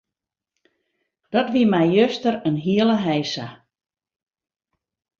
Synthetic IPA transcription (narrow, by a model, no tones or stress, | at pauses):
d̥ɔtʋiəmɛjjøstəɾənɦiələɦɛjsa